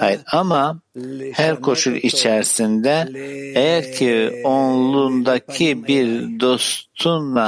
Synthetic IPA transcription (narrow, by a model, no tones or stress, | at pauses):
hajiɾamahæɾkʰo̞ʃulit͡ʃʰɛɾsind̪ɛejæɾcʰionlˠund̪acʰibiɾd̪o̞st̪ʰunla